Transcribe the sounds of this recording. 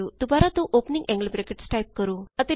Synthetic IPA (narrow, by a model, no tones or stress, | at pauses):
ut̪ubaɾat̪ũʔopniŋɡɛ̃ŋɡəlbɾekeʈsʈajp̚kəɾuːət̪e